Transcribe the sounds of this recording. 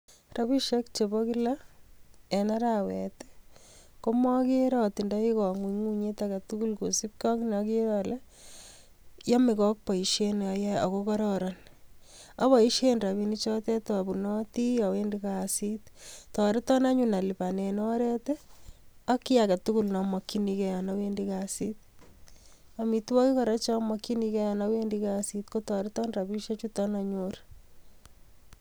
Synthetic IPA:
ra˦βi˦ʃekt͡ʃeboki˦la | e˨na˦ɾawɛ̰˨te̥ko˦mɔ˦ke˦ɾɔti˨ndɔ˦i˦kɔ˨ŋu˨ŋu˦ɲe˦taka˨tuku˦lko˨si˦p̚kɔ˦knɔki˦ɾɔle | jɔ˦mɪkɔ˦k̚pɔ˨iʃenɔ˨jɛɔ̰˨kokɔ˦ɾɔɾɔn | a˦βɔ˨i˦ʃenra˨βinit͡ʃɔ˦tɛ˦tɔbu˨nɔti˦jɔ˨wendikasit̪tɔ˨ɾɪ˦tɔ˦na˦ɲuna˨li˨pa˨ne˨n˦ɔ˦ɾe˦te˦a˦ki˦jaka˨tuku˦lnɔmɔ˨kːi˦nikɛjanawendikasit̪̚ | a˨mi˨twɔ˦ki˦kɔ˨ɾa˦t͡ʃɔ˦mɔki˦nikɛ˦ja˨na˦we˦ndikasit̪ko˦tɔ˨ɾɪ˦tɔ˦nra˨bi˦ʃet͡ʃutɔna˨ɲuɾ

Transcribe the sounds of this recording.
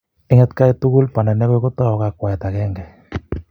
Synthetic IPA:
ɪ˦ŋɛ˦t̪ka˦e˦t̪u˦ɣu˦lpa˨nɛ˨nɛ˦ɣe˦ko˦t̪a˦ɔ˨ɣa˦kwa˨ɛ˨t̪a˨ɣɛ˦ŋɡɛ˨

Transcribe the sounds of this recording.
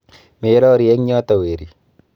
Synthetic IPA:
me˨˦ɾɔ˦ɾjɛ˦ŋɲɔ˦t̪ɔ˨we˨ɾi˨

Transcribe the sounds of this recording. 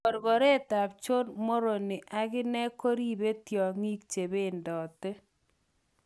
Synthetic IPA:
ɔ˨ɾɡɔ˨ɾɛ˦˨ta˨p̚t͡ʃo˦nmo˦ɾo˨nɪ˨ʔa˨kɪ˦nɛ˦ko˦ɾi˦be˦tjɔ˨ŋi˦k̚t͡ʃe˨be˦ndɔ˨tɪ˦

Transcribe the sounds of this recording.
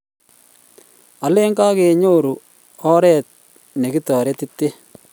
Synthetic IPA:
a˨le˦ŋka˦ke˨ɲo˦ɾu˨ | ɔ˦ɾɛ˦t̚ | ne˨ki˦tɔ˨ɾɛ˦ti˦tːe˦

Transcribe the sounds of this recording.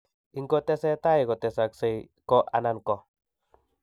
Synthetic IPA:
iŋko˦t̪e˦se˦t̪a˦jko˨t̪e˨saksej | ko˦ʔa̰nanko˨

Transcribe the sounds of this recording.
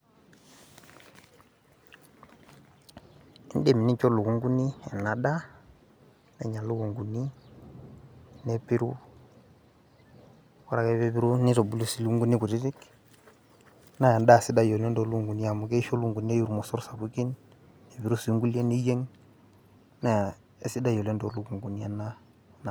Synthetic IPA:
i˦n˦dɛ˦˨mi˨ni˦t͡ʃɔ˦lu˨ku˦ŋɡu˦ni˦ɛ˨na˨ɗa˦ | nɛ˨ɲa˨lu˦ku˨ŋɡu˨ni˦ | nɛ˨pi˦ɾṵ˦ | kɔ˦ɾa˨kɛ˦βɛ˦bi˦ɾo˦ni˦tɔ˨bu˦lu˦si˦lu˦ku˦ŋɡu˦ni˦ku˨ti˦ti˦k | na˦ja˨nda˦˨si˦da˦jɔ˨lɛ˦ndɔ˨˦lu˦ŋɡu˨ni˦a˨mu˨kɛ˦ʃo˦lu˦ŋɡu˨n˦e˦ju˨ɾu˨mɔ˨sɔ˦ɾsa˨bu˦ki˦n | ɛ˨βi˨ɾu˦su˨i˦ŋɡu˦le˦ni˦je˦ŋ | na˨ | e˨˦si˦da˦jɔ˨lɛ˦ndɔ˨lu˦˨ku˨ŋɡu˨ni˦ɛ˨na˦ | na˨

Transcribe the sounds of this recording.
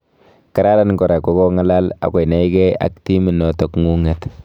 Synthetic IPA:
ka˨ɾa˦ɾa˦nkɔ˨ɾa˨ko˦kɔ˦ŋa˦la˦la̰˨kwɔ˨jna˨jkɛ˦a̰˨kti˦mi˨nɔ˨tɔ˨kŋu˦ŋɛt

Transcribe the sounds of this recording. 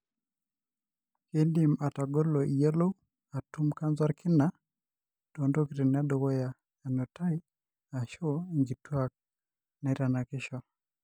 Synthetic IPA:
ke˦ndi˨ma˨ta˨ɡɔ˦lɔ˨ʔi˨je˦lo˦ | a˨tu˦mka˦nza˦ɾkʰɪ˦na˦ | d̥o˨ndo˦kiɾi˨n˨a˦do˨ɡɔ˦ja˨ | ja˨no˨ta˦i˦ | a˨ʃɔ˦iŋɡi˨twa˦k̚ | na˨i˦ɾa˨na˨kɪ˦ʃɔ˦

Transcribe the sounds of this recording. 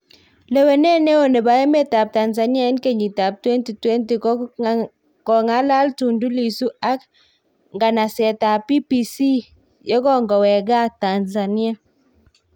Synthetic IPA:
le˦we˨ne˦ne˦o˨ne˨ba˦je˦me˦˨ta˨p̚ta˨nza˨ni˦a˦ɛ˦nke˦˨ɲi˨ta˨p̚twɛ˦nti˨twɛ˦nti˨k | kɔ˨ŋa˦la˦ltu˨ndu˦li˨su˦a˦k | ŋɡa˨na˨sɛ˨ta˨pi˦pi˨si˦ | jɔ˦kɔ˦ŋɡɔ˨wɛ˨ɡa˦˨ta˨nza˨ni˦a˦

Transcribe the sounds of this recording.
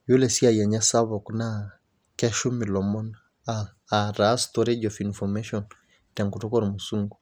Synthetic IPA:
jo˦lɛ˨si˦a˨ja˨ɲa˦sa˦βɔ˨kna | kɛ˦ʃu˦mi˨lɔ˨mɔ˦n | a | aɾastɔɾed͡ʒɔfinfɔmɛʃɔn | tɛ˨ŋku˨tɔ˦kɔ˦ɾmusuŋɡu

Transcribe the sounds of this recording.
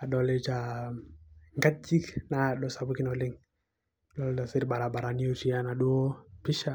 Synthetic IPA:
a˨dɔ˨le˦t͡ʃa˨ | ŋɡa˦d͡ʒi˦kna˨ɗɔ˨sa˨bu˦ki˦nɔ˨li˦ŋ | dɔ˦lta˨si˦ɾba˨ɾa˨ba˨ɾa˨ni˦o˦ti˨a˦na˨ɗu˦o˦pi˦ʃa˨

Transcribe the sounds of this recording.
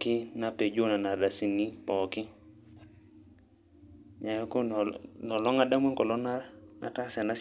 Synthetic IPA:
kɪ˦na˨pe˨d͡ʒo˦na˨na˨da˨si˨ni˦pɔ˨kɪ˦ | ɲa˨jɔ˦ko˦˨nɔ˨lɔ˦ŋa˦da˦mwe˦ŋkɔ˨lɔ˦na˦na̰˨ka˦sɛ˨na˦s

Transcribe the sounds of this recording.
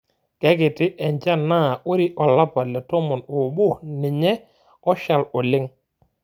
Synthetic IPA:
kɛ˦ɡɪ˨tɪ˦ʔɛ˨ɲd͡ʒa˦na˦˨ʊ˦ɾɪ˦ʔɔ˨la˦pa˨lɛ˨tɔ˦mɔ˨no˨bʊ˦˨nɪ˨ɲɛ˦ | ɔ˦ʃa˨lɔ˨lɪ˦ŋ

